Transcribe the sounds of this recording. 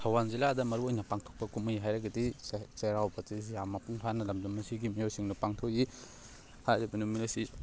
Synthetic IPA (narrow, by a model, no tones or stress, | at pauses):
tʰɐwanziladɐmɐɾuojnɐpaŋtʰo̥k̚pɐkumujɦajɾɐɡɐdiseɾawbɐtizijamɐpuŋpʰanɐlɐmdɐmɐsiɡimijojsiŋnupaŋtʰoki | hajɾibɐnumilɐsi